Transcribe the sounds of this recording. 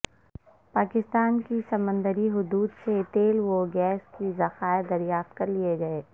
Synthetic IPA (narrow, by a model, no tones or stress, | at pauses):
paːkɪst̪aːnkisɐmə̃nd̪əɾiɦʊd̪uːd̪set̪eːlʋoɡɛːskizɐxaːɪd̪ɐɾjaːft̪̚kɐɾlijeɡɐeː